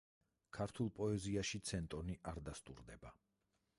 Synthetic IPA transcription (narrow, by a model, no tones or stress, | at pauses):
kʰaɾt̪ʰulˠpʼɔɛziaʃit̪sʰɛnt̪ʼɔniʔaɾd̪ast̪ʼṵɾd̪ɛba